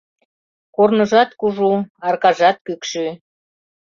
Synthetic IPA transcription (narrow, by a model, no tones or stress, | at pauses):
kornə̆ʒɑt̪kuʒuɑrkɑʒɑt̪̚kykʃy